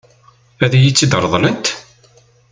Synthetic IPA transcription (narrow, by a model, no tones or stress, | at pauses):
æðæjit͡sːid̪əɾˤðˤlənt̪